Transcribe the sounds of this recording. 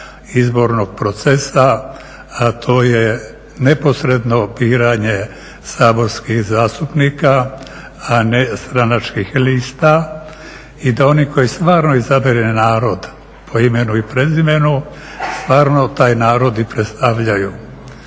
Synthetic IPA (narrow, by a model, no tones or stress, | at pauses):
izbo̞ɾno̞ɡ̥̚pɾo̞t̪sesa | at̪ʰo̞ːje̞ | ne̞po̞sɾe̞d̪no̞biːɾaɲe̞ | saːbo̞ɾskixzaːst̪upniːka | ane̞st̪ɾanat͡ʃkixliːst̪a | id̪ao̞niko̞jist̪ʋaːɾno̞izabeɾennaːɾo̞d̪ | pʰo̞ime̞nuipɾe̞zime̞nu | st̪ʋaːɾno̞t̪aːjnaːɾo̞d̪ipɾet̪st̪aʋʎaju